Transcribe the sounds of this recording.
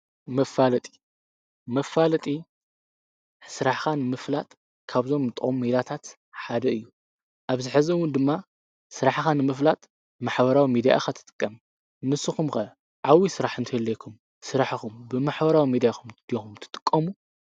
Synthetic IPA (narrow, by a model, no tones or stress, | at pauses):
mɐfːalɐt̪ʼi̥ | mɐfːalɐt̪ʼi | sɨɾaħxanɨmɨflat̪ʼ | kʰaβzo̞mt̪ʼʔʼomːed̪at̪ʰat̪ | ħad̪ɐɨjːu | ʔaβzɨħɨzɐwʊnd̪ɨmːa | sɨɾaħxanɨmɨf̬lat̪ʼ | maħbɐɾawimid̪ija̰xat̪ʰɨ̥t̪ʼɨ̥kʼːɐm | nɨsɨxumxɐ | ʕawisɨɾaħɨnt̪ʰɐjɛlːekʰum | sɨɾaħxumbɨmaħbɐɾawimid̪ijaxumd̪̥ijoxumt̪ʰɨ̥t̪ʼɨ̥kʼːɐmu